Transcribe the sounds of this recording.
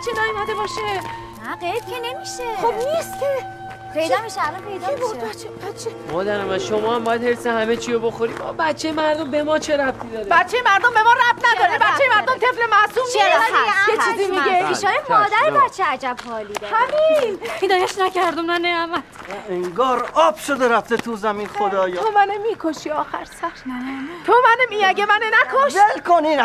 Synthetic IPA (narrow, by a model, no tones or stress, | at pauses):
t͡ʃʰed̪ɒːimæd̪ebɒʃe | næɢejd̪̥̚kʰʲenemiʃexobniːst̪kʲʰe | pʰejd̪ɔmiʃeælɒnpʰe̞jd̪ɔboæt͡ʃʰːebæt̪t͡ʃʰːemɒːd̪æɾæmænʃomɒːhæmbɒːjæd̪heɾsehæme̞t͡ʃʰiɾoboxoɾiːd̪ɒ̰ːbæt̪t͡ʃʰːejemæɾd̪ombe̞mɒːt͡ʃʰe̞ɾæb̚t̪ʰiːd̪ɒːɾebæt̪t͡ʃːejemæɾd̪ombemɒːɾæb̚t̪ʰnæd̪ɒːɾibæt̪t͡ʃːejemæɾd̪omt̪ʰe̞flemæʔsuːmijet͡ʃizimiepʰiːʃɒːjemɒːd̪æɾebæt̪t͡ʃʰeæd͡ʒæbhɒːliːd̪hæminpʰed̪ɒːjæʃnæcæɾd̪omnæneæmæeŋɡɒːɾɒːb̥ʃod̪eɾæft̪ʰet̪ʰuzæmiːnxod̪ɒːjomænemikʰoʃiːɒːxæɾsæɾt̪ʰomænemiæɡemænenækʰoʃʃelkʰoniːn